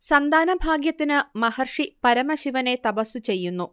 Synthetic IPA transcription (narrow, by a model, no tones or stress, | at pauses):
sɐnd̪ʱaːnɐbʱaːɡjɐt̪ːinɨmɐhɐrʂipɐɾɐmɐɕiʋɐne̞t̪ɐpɐsːut͡ɕe̞jːunːu